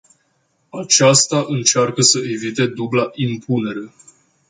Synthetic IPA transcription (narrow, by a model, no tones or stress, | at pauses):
at͡ʃast̪aʔɨnt͡ʃarkəsəe̞vit̪e̞d̪ublaʔimpʰune̞ɾe̞